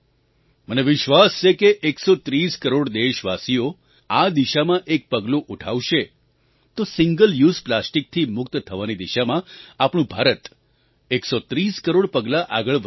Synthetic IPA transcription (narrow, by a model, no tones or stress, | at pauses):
məneʋɪʃʋast͡ʃʰekeʔeksot̪ɾiskəɾoɽd̪eʃʋasijo | ad̪iʃamãʔek̚pəɡlũʔuʈʰa̰ʋʃe | t̪osɪŋɡəljuzplasʈik̚t̪ʰimʊk̚t̪t̪ʰəʋanid̪iʃamãapɳ̃ũbʱaɾət̪ | eksot̪ɾiskəɾoɽpəɡlaʔaɡəɭ